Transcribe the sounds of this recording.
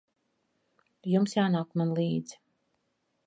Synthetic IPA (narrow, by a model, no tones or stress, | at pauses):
jumsjaːnaːkmanlˠiːd̪zi̥